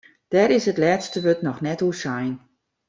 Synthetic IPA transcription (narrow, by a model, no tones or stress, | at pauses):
d̥ɛɾɪsətlɛːtstəʋøtnɔxnɛtusajn